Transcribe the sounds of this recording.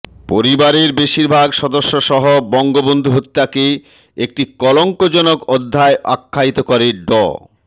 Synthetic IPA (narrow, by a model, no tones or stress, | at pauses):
poɾibaɾeɾbeʃiɾbʱaɡʃɔd̪oʃːoʃɔɦobɔŋɡobond̪ʱuɦot̪ːake | ek̚ʈikɔloŋkod͡ʑɔnokod̪ʱːaeʔa̰kʰːait̪okɔɾeɖɔ̰